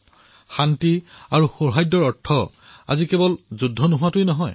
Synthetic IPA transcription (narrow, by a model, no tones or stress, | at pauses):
xantiaɹuxoɹɦajdːɔɹɔtʰːɔ | a̰zikɛbɔlzudʱːɔnʊɦʊwatʊjnɔɦɔj